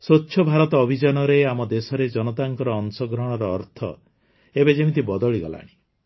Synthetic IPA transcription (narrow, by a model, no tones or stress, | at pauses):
sotːʃʰɔbʱaɾɔt̪ɔːbʱid͡ʒanɔɾeamɔd̪esɔɾed͡ʒɔnɔt̪aŋkɔɾɔːnsɔɡɾɔɦɽ̃ɔɾɔːɾt̪ʰɔ̰ | ebed͡ʒemit̪̬ibɔd̪ɔɭiɡɔ̰la̰ɽ̃i